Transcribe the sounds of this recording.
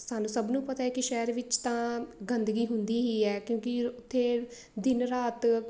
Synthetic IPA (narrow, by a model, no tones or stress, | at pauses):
saːnũːsəbnũːpət̪aːɛːkɪʃɛːɾʋɪt͡ʃt̪ãːɡənd̪ɡiːɦʊnd̪iːɦiːɛːkjõːkɪʊt̪ʰːeː | d̪ɪnɾaːt̪